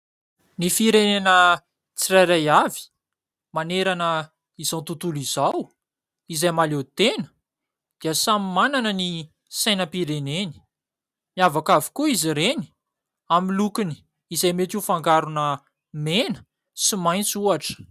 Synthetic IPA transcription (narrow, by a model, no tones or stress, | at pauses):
nifiɾenenə | t͡sirajɾajavi̥ | maneɾanə | izawnt̪ut̪ulizaw | izajmalet̪enə̥ | d̪̥iəsamimananəni | sajnəpiɾeneni̥ | miavakavi̥kuiziɾeni̥ | amilukini̥ | izajmet̪ifaŋɡaɾunə | menə̥ | simajnt͡suaʈ͡ʂə̥